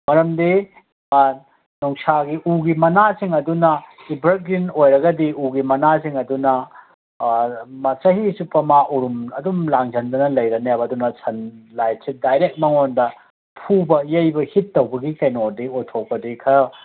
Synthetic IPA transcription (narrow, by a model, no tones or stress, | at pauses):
mɐɾɐmdi | nɔŋsaɡiʔuɡimɐnasiŋɐdunɐibɾɐɡɾinojɾɐɡɐdiuɡimɐnasiŋɐdunɐ | mɐsɐɦisupɐmaʔuɾumɐdumlaŋzɐndɐnɐlɐjɾɐnjabɐdunɐsʰɐnlajsʰit̚dajɾek̚mɐŋondɐ | pʰubɐjejbɐhitːɐwbɐɡikɐjnodiutʰok̚bɐdikʰɐ